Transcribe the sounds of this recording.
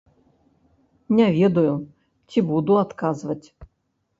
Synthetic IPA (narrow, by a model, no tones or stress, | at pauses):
nʲɛvʲɛd̪ɐju | t͡sʲibud̪uat̪kazvɐt͡sʲ